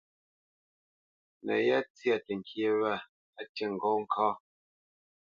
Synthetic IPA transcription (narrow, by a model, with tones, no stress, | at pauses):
nə̰˨ja˦t͡sja˨tɛ˨ŋ˨kje˦wa˦˨ | a˦tɛ˦˨ŋ̩˨ɡɔ˦ŋ̩˦kʰa˦